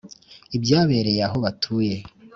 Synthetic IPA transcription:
ibjaːβe̞ɾe̞jaɦo̞βatʰuːje̞

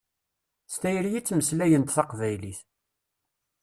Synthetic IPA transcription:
st̪æjəɾjit͡sːməslæjənt̪θɑqvæjliθ

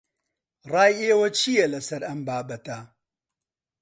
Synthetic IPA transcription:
rɑːjeːwɐt͡ʃʰijɐlɐsɐɾɐmbaːbɐt̪ɐ

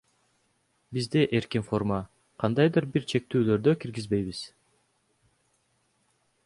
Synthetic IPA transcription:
bizd̪eʔeɾkinfo̞rmɑ | qʰɑnd̪ɑjd̪ɯɾbiɾt͡ʃʰe̞k̚t̪yːlø̞ɾd̪økiɾɡizbe̞jβiz

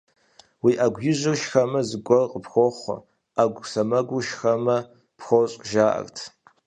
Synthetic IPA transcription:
wiːʔaɡʷjɪʒɨrʃxɐmɐzɨɡʷɔrqʼəpxʷoχʷʊ̰ | aɡʷsɐmɐɡʷʊʃxɐmɐ | pxʷoɕʼʒaːʔɐ̰rtʰ

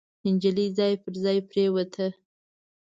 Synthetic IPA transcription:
hɪnd͡ʒəlizɑjpəɾzɑjpɾewət̪ʰə

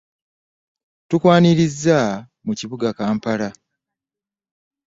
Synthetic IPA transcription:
tukwaːniɾizːa | muciβuɡakaːmpala

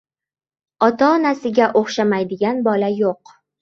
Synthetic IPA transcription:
ɒt̪ʰaɒnasɪɡʲaʔoχʃamajd̪ɪɡʲanbɒlajoq

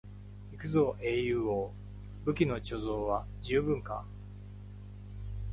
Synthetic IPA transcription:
ikɯ̟zo̞ʔejɯ̟ːoː | bɯ̟kʲino̞t͡ɕo̞zo̞ːβa | d͡ʑɨːbɯ̟̃ŋka̰

